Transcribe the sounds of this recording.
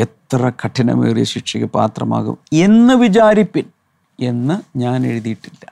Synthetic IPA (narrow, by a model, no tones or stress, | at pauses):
et̪rɐkʰɐʈʰːinɐ̰mḭrjḭɕikʂɐɣɨpa̰ːt̪rɐma̰ːɣṵme̞nːɨʋid͡ʑaːɾipːin | e̞nːɨɲaːne̞ɻuðijiʈːilːɐ